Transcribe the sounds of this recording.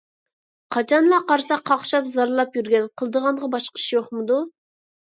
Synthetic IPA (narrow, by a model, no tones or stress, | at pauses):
qʰɑt͡ʃʰɑnlˠɑqɑɾsɑqʰːɑχʃɑpzɑɾlˠɑpjyɾɡʲɛnqʰəlˠd̪əʁɑnʁɑbɑʃqəi̥ʃijoχmɨd̪u